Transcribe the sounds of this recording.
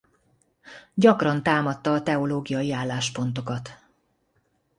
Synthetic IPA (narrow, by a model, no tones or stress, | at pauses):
ɟɒkrɒnt̪aːmɒt̪ːɒːt̪ɛo̞loːɡijɒjiaːlːaːʃpo̞n̪t̪o̞kɒt̪